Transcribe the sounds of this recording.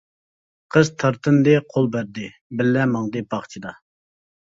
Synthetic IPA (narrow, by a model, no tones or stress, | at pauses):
qʰəz̥t̪ʰɑɾt̪ʰɨnd̪ɨqʰolˠbæɾd̪ɪ | bɪlːɛmɑŋd̪ɨbɑχt͡ʃʰid̪ɑ